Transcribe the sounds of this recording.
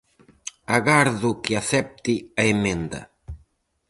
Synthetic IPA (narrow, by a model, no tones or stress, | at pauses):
aɣaɾðʊkɪaθɛp̚t̪iɐemẽnd̪ɐ̰